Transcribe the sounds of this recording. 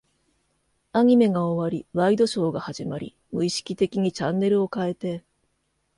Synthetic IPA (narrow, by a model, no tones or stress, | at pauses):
aɲ̟ime̞ɡaoβaɾʲiβaid̪o̞ɕo̞ːɡahaʑimaɾʲḭ | mɯ̟iɕi̥kʲit̪e̞kʲiɲ̟it͡ɕãnːe̞ɾɯ̟o̞kae̞t̪e̞